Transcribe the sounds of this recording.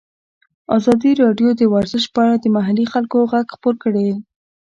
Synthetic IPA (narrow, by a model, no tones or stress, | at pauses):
azɑd̪iɾɑɖjod̪əwaɾzəʃpəaɽad̪əmaɦalixalkoɣaɡxpoɾkəɽe